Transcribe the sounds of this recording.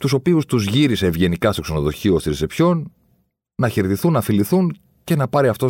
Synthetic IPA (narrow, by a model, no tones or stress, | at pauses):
t̪uso̞piust̪uzʝiɾise̞ːvʝe̞nikɐst̪o̞kse̞no̞ðo̞çiost̪iɾisepço̞nː | ɐçeɾt̪iθunːɐfiliθun | ce̞nɐpɐɾiɐft̪o̞